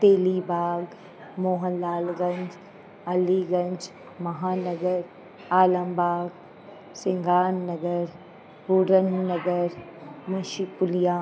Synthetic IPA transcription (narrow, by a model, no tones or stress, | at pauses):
t̪eːlibaːɡ | moːɦənlaːlɡɐ̃ɲd͡ʒ | ɐliɡɐ̃ɲd͡ʒ | mɐɦaːnɐɡəɾ | aːləmbaːɡ | sɪ̃ŋɡʱaːnːɐɡəɾ | buɾənːɐɡəɾmɐ̃ʃipʊlijaː